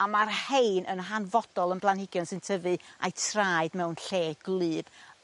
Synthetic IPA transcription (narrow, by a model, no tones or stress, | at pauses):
amarhejnʔənɦanvɔd̥ɔlˠənb̥lˠanhɪɡjɔnsɨntʰəvɨa̰jtʰraːjɨdmɛwnɬeːɡ̥lˠɨːb̥